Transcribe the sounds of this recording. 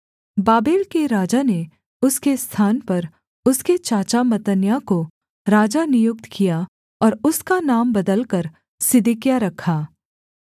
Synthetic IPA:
baːbeːlkeɾaːd͡ʒane | ʊskest̪ʰaːnpɐɾ | ʊsket͡ʃaːt͡ʃamɐt̪ənjako | ɾaːd͡ʒanɪjʊk̚t̪kija | ɔːɾʊskanaːmbɐd̪əlkɐɾ | sɪd̪ɪkjaɾɐkʰaː

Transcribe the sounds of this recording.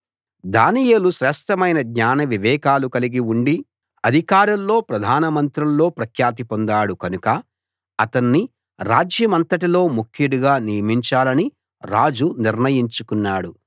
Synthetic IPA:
d̪aːnijeːluʃɾɛːsʈʰɐmɐjnɐd̪ɲaːnɐʋiʋɛːkaːlukɐliɡiuɳɖi | ɐd̪ʱikaːɾɐllo̞ːpɾɐd̪ʱaːnɐmɐnt̪ɾɐllo̞ːpɾɐkʰjaːt̪̬ipond̪aːɽukɐnukɐ | ɐt̪ɐnːi | ɾaːd͡ʒjɐmɐnt̪ɐʈilo̞ːmukʰjiɽuɡaːnijɐmiɲt͡ʃaːlɐni | ɾaːd͡ʒuniɾnɐjiɲt͡ʃukunːaːɽu

